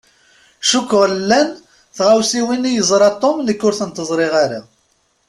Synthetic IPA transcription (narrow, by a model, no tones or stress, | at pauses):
ʃukːʁlːæn | θʁawsiwinijəzˤɾˤɑt̪ˤːomləkːʊɾθənt̪əzˤɾˤɪʁaɾa